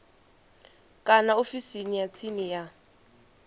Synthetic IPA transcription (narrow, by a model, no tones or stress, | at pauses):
kʼanaofisinijat͡sʰinija